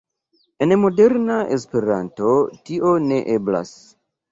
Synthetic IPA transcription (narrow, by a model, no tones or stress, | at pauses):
e̞nmo̞deɾnaʔes̬pe̞ɾanto̞tiʔo̞ne̞ʔebla̰s